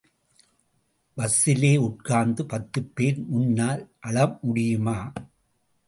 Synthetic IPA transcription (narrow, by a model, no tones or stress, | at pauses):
ʋɐsːɪleːʊʈ̚kaːnd̪ɯpɐt̪ːɯpːeːɾmʊnːaːlʔɐɭɐmmʊɽɪjɯmaː